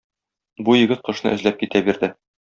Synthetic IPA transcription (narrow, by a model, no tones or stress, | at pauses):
bujɘ̆ɡɘt̪̚qɤ̆ʃnɤ̰ʔɘ̆zlæp̚kit̪æbiɾd̪ɘ